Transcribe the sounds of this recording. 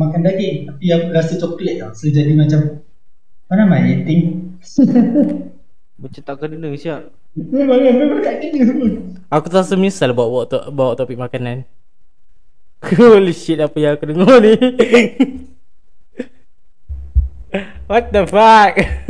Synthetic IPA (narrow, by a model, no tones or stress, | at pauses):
makandaɡɛŋt̪apiaŋuɾasət͡ʃɔklɛt̪̚asəd͡ʒadimat͡ʃam | anamajet̪ɪŋ | mat͡ʃamt̪aʔkədənəŋsiaʔ | əmaɡaəat̪aʔkənəŋsəmə | akut̪əasəmɲisalbawʔbaaʔt̪ɔʔbawaʔt̪opik̚makanan | oleʃit̪apəjaŋakudəŋɔni | wat̪̚afak̚